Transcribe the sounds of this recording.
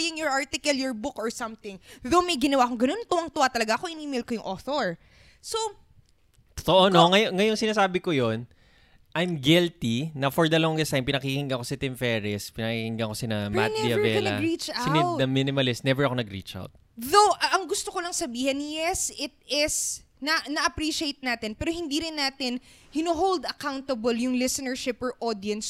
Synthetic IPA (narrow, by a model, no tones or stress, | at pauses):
jɪŋjɔɹʔaɹt̪ɪkɐljɔɹbʊkʔɔɹsɐmθɪŋðowmɐjɡɪnɐwaːkʊŋɡɐno̞nt̪ʊwɐŋt̪ʊwat̪ɐlɐɡaʔɐkoʔɪniːmɪlkojʊŋʔoːθoɹ | so | t̪o̥t̪oʔonoŋɐjoŋɐjoŋsɪnaːsaːbɪkojon | ʔɐjmɡɛlt̪inɐfɔɹd̪ɐloŋd̪ɪst̪ajmpɪnɐkikɪŋɡɐŋko̞sɪt̪ɪmfɛːɾɛspɪnɐkikɪŋɡɐŋkosɪnɐma̰ɛɐbɛlɐɹit͡ʃasɪd̪ɐminɪmɐlɪst̪nɛvɛɹɐko̞nɐɡɾḭt͡ʃʔa̰wt̪̚ | ðowʔɐŋɡʊst̪okolɐŋsɐbiːhɛnjɛsɪt̪̚ɪs | nɐnɐʔɐpɾiːʃejt̪̚naːt̪ɪnpɛːɾohɪnd̪iɾɪnːaːt̪ɪnhɪnʊɦowld̪ɐkawnt̪ɐbɐljʊŋlɪsɛnɛɹʃɪpɔɹʔod̪jɐns